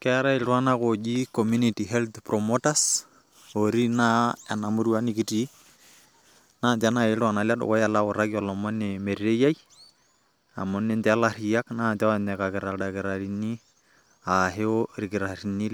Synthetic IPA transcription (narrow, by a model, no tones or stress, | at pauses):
kɛɾaelwanakod͡ʒikɔmunitiɦɛlt̪pɾɔmotas | oɾinaɛnamʊɾwanikiti | naːntanaeɺwanalaɗʊ̰kɔjalaʊɾakiɔlɔmɔnemeɾiɾejaji | a̰mɔnentɛlaɾijaknaːntaanɛkakɪɾaɾakɪɾaɾini | aɦeoɾikɪɾaɾinil